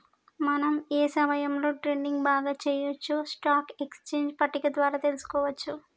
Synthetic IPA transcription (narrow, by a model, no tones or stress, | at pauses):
mɐnɐmeːsɐmɐjɐmlo̞ːʈɾeɳɖiŋɡbaːɡaːt͡ʃɛːjɐt͡ʃːusʈaːkekst͡ʃeːɲd͡ʒpɐʈːikɐd̪ʋaːɾaːt̪e̞lusu̥kɔːʋɐt͡ʃːu